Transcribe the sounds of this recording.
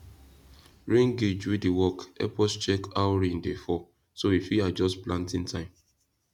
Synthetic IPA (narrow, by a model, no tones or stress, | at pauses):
ɹĩŋɡed͡ʒuidiwɔkɛ̰pɔst͡ʃɛkawɹĩndefɔ | soifiad͡ʒɔsplãntĩntʰãɪ̃m